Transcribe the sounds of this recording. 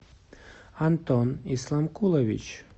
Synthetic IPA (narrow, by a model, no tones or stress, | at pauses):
ant̪ɔnislˠamkulˠevḭt͡ʃ